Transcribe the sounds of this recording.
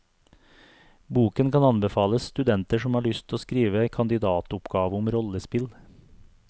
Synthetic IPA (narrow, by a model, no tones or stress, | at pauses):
buːkənkʰɑnɑnbɛfɑːləsst̪ʉd̪ɛnt̪əʂɔmhɑːɭʏst̪ʰoːskɾiːʋəkʰɑnd̪ɪd̪ɑːt̪ʊpɡɑːʋəʊmɾɔləspɪl